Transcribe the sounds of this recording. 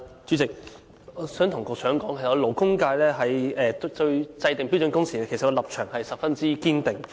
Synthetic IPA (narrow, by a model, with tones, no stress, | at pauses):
t͡ʃy˨˥t͡sɪ˨k̚ | ɔ˨˧sœː˨˥ŋt̪ʰʊ˨˩ŋkɔː˧ksœː˨˥ŋkɔː˨˥ŋʰkʰːskɔ˧lo˨˩wkʊ˥ŋkaː˧jlɛː˥ɦɐ˨˩jɛː˨˧tɵ˧ɥt͡sɐ˧jt̪ɪ˨ŋpi˨˥wt͡sːnkʊ˥ŋsiː˨˩˧kʰe˨˩sɐ˨tkɔ˧lɐ˨p̚t͡ʃʰœː˨˩ŋhɐ˨jsɐ˨p̚fɐ˥nt͡siː˥kiː˥nt̪ɪ˨˩ŋ